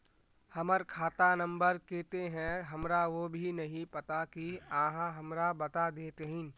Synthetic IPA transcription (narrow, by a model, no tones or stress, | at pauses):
hɐməɾkʰaːt̪anɐ̃mbəɾkeːt̪eɦɛ̃ɦɐmɾaʋobʱinɐɦĩpɐt̪akiãːɦãɦɐmɾabɐt̪ad̪eːt̪eɦɪ̃